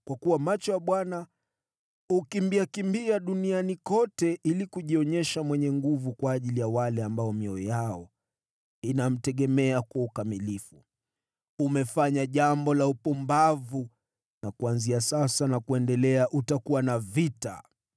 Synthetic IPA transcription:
kwakuwamat͡ʃɔwaɓwana | ukimbiakimbiaɗunianikɔtɛʔilikuʄiɔɲɛʃamwɛɲɛŋɡuvukwaːʄilijawalɛambaɔmiɔjaɔ | inam̩tɛɠɛmɛakwaukamilifu | umɛfaɲaʄambɔlaupɔmbavu | nakuanziasasanakuɛndɛlɛaʔutakuwanavita̰

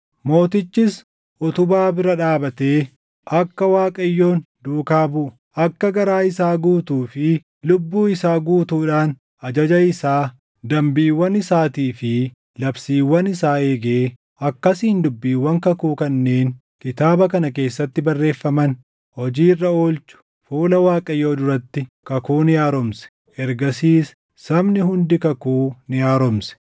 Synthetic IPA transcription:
mo̞ːt̪ɪt͡ʃːɪs | ʔɔt̪ʊbaːbɪɾɐᶑaːbɐt̪e̞ː | ʔɐkːɐwaːkʼɐjːo̞ːn | d̪uːkaːbʊʔʊ | ʔɐkːɐɡɐɾaːɪsaːɡuːt̪uːfɪ | lʊbːuːɪsaːɡuːt̪uːᶑaːn | ɐd͡ʒɐd͡ʒɐɪsaː | d̪ɐmbiːwːɐnɪsaːt̪iːfɪ | lɐbsiːwːɐnɪsaːe̞ːɡeː | ɐkːɐsiːɪnd̪ʊbːiːwːɐŋkɐkuːkɐnːe̞ːŋ | kɪt̪aːbɐkɐnɐke̞ːsːɐt̪ːɪbɐrːe̞ːfːɐmɐn | hɔd͡ʒiːrːɐoːlt͡ʃʊ̥ | fuːlɐwaːkʼɐjoːd̪ʊɾɐt̪ːɪkɐkuːnɪjaːɾɔmsɛ̥ | ɛɾɡɐsiːs | sɐmnɪɦʊnd̪ɪkɐkuːnɪjaːɾɔmsɛ̥

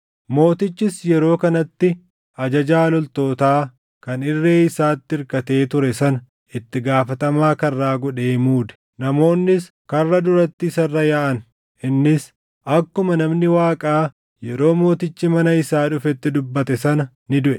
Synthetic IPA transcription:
mo̞ːt̪ɪt͡ʃːɪsjɛɾo̞ːkɐnɐt̪ːɪ | ɐd͡ʒɐd͡ʒaːlɔlt̪o̞ːt̪aː | kɐnɪrːeːɪsaːt̪ːɪɪɾkɐt̪e̞ːt̪ʊɾɛsɐnɐ | ɪt̪ːɪɡaːfɐt̪ɐmaːkɐrːaːɡɔᶑe̞ːmuːd̪ɛ̥ | nɐmo̞ːnːɪs | kɐrːɐd̪ʊɾɐt̪ːɪsɐrːɐjaʔɐn | ʔɪnːɪs | ʔɐkːʊmɐnɐmnɪwaːkʼaː | jɛɾo̞ːmo̞ːt̪ɪt͡ʃːɪmɐnɐɪsaːᶑʊfɛt̪ːɪd̪ʊbːɐt̪ɛsɐnɐ | nɪd̪ʊʔɛ

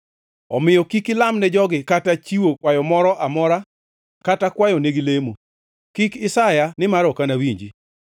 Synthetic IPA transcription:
ɔmɪjɔkikɪlamnɛd͡ʒɔɡɪkatat͡ʃiwokwajɔmɔɾɔʔamɔɾa | katakwajɔneɡilemo | kikɪsajanɪmaɾɔkanawiɲd͡ʒi

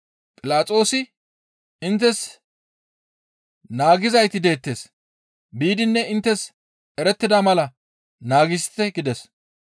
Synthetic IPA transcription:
pʼɪlaːt͡sʼo̞ːsɪ | ɪnt̪ːɛs | naːɡɪzɐjt̪ɪd̪e̞ːt̪ːeːs | biːd̪ɪnːɛɪnt̪ːɛs | ɛɾɛt̪ːɪd̪amɐlɐ | naːɡɪst̪ːɛɡɪd̪ɛs

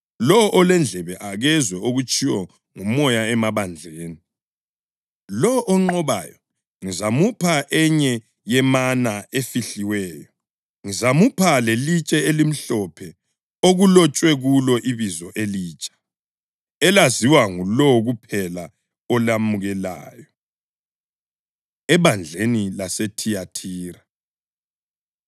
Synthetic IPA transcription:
lɔʔɔlɛnd͡ɮʱɛβɛʔaɣɛzwɛoɣut͡ʃʼʰiwɔ | ŋumɔjaɛmaβand͡ɮʱeːni | lɔʔɔŋ͡ǃɔβa̰jɔ | ŋizamupʰaʔɛɲɛ | jɛmanaefiɬiwɛːjɔ | ŋizamupʰalelit͡ʃʼɛelim̩ɬɔpʰɛ | oɣulɔt͡ʃʼwɛɣulɔʔiβizɔʔeliːt͡ʃʼḁ | ɛlaziwaŋulɔɣupʰɛla | ɔlamuɣɛla̰ːjɔ | ɛβand͡ɮʱenilasetʰijatʰiːɾa

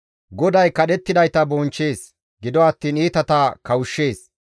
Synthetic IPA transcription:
ɡɔd̪ɐjkɐɗɛt̪ːɪd̪ɐjt̪ɐbɔnt͡ʃːe̞ːs | ɡɪd̪ɔɐt̪ːiːniːt̪ɐt̪akɐwʊʃːe̞ːs

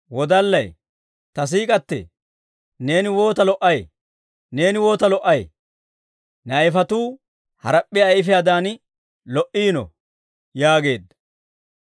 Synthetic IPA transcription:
wɔd̪ɐlːɐj | t̪ɐs̬iːkʼɐt̪ːɛ̰ | ne̞ːnɪwo̞ːt̪ɐlɔʔɐj | ne̞ːnɪwo̞ːt̪ɐlɔʔɐj | nɐjɪfɐt̪uː | hɐ̰ɾɐpʼːɪjɐɪfɪjaːd̪aːn | lɔʔiːnɔ̰ | jaːɡe̞ːd̪ːɐ

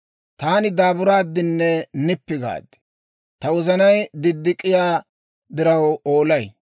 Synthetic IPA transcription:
t̪aːnɪd̪aːbʊɾaːd̪ːɪnːɛnɪpːɪɡa̰ːd̪ɛ̥ | t̪ɐwɔzɐnɐjd̪ɪd̪ːɪkʼːɪjaː | d̪ɪɾɐwoːlɐj

